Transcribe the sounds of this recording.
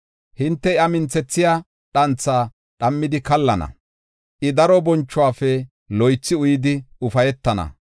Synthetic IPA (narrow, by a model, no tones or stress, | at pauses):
hɪnt̪ːɛɪɐmɪnt͡sːɛt͡sːɪjaː | ɗɐnt͡sːaː | ɗɐmːɪd̪ɪkɐlːɐnɐ̰ | ʔɪd̪ɐɾɔbɔnt͡ʃːʊwaːfɛ | lɔjt͡sːɪʊjɪd̪ɪʊfɐjɛt̪ːɐnɐ̰